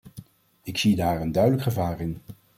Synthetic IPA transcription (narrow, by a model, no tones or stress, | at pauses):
ɪksidaːɹəndœɥdələkχəvaːrɪn